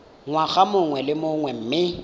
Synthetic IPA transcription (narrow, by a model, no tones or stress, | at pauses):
ŋwaɣamʊŋwɛlɪmʊŋwɛm̩ːmɪ